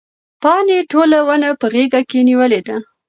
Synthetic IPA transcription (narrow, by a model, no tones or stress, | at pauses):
pɑneʈolawənapəɣeɡakeniwəled̪a